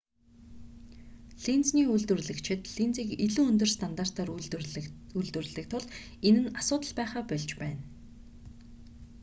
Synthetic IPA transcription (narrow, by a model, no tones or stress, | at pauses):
ɮint͡sniːuɮt̪wɘ̆rɮɘ̆kt͡ɕʰɪ̆t̪ɮint͡siːkiɮuːɵnt̪̬ɵ̆rst̪ʰant̪ar̥t̪aːr | uɮt̪wɘ̆r̆ɮɘ̆kt̪ʰʊɮ | enɘ̆nasʊːt̪ə̆ɮpæːχaːpœɮt͡ɕpæːn